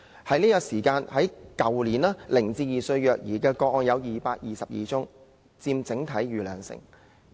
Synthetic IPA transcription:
hɐ˨˥jniː˥kaː˧siː˨˩kaː˧nhɐ˨˥jkɐ˨wliː˨˩naː˥lɪ˨˩ŋt͡siː˧jiː˨˩sɵ˧ɥjœː˨k̚jiː˨˩kɛː˧kɔː˧k̚ɔː˧njɐ˨˧wjiː˨paː˧t̚jiː˨˩sɐ˨p̚jḭː˨t͡sʊ˥ŋ | t͡siː˧mt͡sɪ˨˥ŋt̪ʰɐ˨˥jɥyː˨lœː˨ŋsɪ̰˨˩ŋ

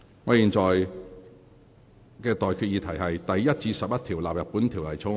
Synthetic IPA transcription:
ŋɔː˨˧jiː˨˩nt͡sɔː˨j | kɛː˧t̪ɔː˨˩jkʰyː˧t̚jiː˨˧t̪ʰɐ˨˩jɦɐ˨jt̪ɐ˨jjɐ˥t̚t͡siː˧sɐ˨p̚jɐ˥t̪ʰiː˨˩wlaː˨p̚jɐ˨˩t̚puː˨˥nt̪ʰiː˨˩wlɐ˨˩jt͡sʰʊ˧˥

